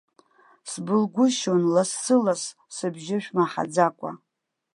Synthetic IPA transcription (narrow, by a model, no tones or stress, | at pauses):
sbɨlɡʷʊʃonlasːɨlas | sɨbʒɪʃᶣmaħa̰d͡zakʷʼa̰